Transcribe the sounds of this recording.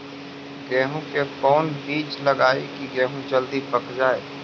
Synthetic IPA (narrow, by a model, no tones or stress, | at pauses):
ɡɛːɦũkekɔːnbiːt͡ʃlɐɡaːekiɡɛːɦũd͡ʒəld̪ipɐkd͡ʒaːḛː